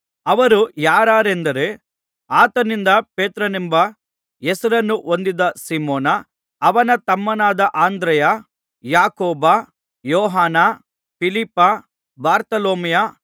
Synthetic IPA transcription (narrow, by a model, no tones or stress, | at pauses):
ɐʋɐɾujaːɾaːɾend̪ɐɾe̞ | aːt̪ɐnind̪ɐpeːt̪ɾɐnimbɐ | esɐɾɐnːuʔond̪id̪ɐsimoːnɐː | ʋɐnɐt̪ɐmːɐnaːd̪ɐʔaːnd̪ɾɐjɐ | jaːkɔːbɐ | jɔːɦaːnɐ | pilipːɐ | baːɾt̪ɐloːmijɐ